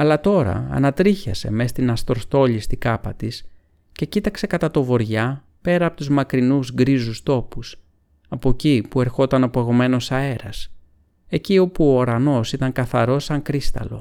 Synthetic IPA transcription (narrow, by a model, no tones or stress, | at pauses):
ɐlɐt̪o̞ɾɐ̰ɐ̰nɐt̪ɾiçɐ̰se̞̰me̞st̪inɐst̪ɾost̪o̞ʎist̪ikɐpɐt̪is | ce̞cit̪ɐkse̞kɐt̪ɐt̪o̞vo̞ɾʝɐ | pe̞ɾɐːpo̞t̪uzmɐkɾinuzɡɾizust̪o̞pus | ɐpo̞cipue̞ɾxo̞t̪ɐnɐpoeɣo̞me̞no̞sɐe̞ɾɐs | e̞cio̞puo̞ːɾɐno̞sit̪ɐŋkɐθɐ̰ɾo̞sɐŋkɾist̪ɐ̰lo̞̰